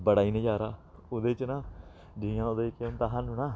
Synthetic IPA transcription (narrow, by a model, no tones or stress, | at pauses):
bəɽaːiːnẽːd͡ʒaːɾaːʊd̪et͡ʃnãː | d͡ʒijãːod̪eːkemt̪aːɦãnũːnaː